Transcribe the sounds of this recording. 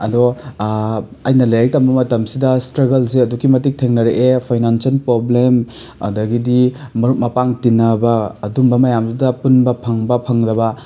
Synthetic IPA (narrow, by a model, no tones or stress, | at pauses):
ɐdɔ | ɐjnɐlɐjajk̚tɐmbɐmɐtɐmsidɐstɾɐɡɐlsiɐduɡimɐtik̚tʰeŋnɐɾeʔepʰajnansɐlpɾoblem | ɐ̰dɐɡidimɐɾut̚mɐpaŋtinɐbɐːdumbɐmɐjamsidɐpunbɐpʰɐŋbɐpʰɐŋdɐbɐ